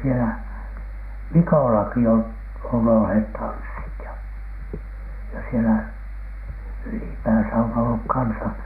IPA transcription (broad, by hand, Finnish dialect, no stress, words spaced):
sielæ mikoˑlɑki ol on olheˑt tɑnsːit jɑ jɑ sielæ ylipæːsæ on olːuk kɑnsɑ